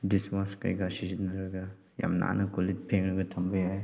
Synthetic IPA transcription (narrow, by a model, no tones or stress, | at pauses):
dismaskɐ̰jɡasizinɐɾɐɡɐ | ja̰mna̰nɐkolit̚pʰeŋɾɐɡɐtʰɐmbɐjaj